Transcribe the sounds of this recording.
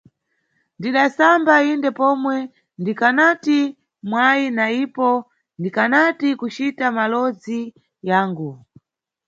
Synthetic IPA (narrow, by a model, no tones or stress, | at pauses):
ndiɗasambaindɛpɔmwɛ | ndikanati | mwainaipɔ | ndikanatikut͡ʃitamalɔd͡zi | jaːŋɡu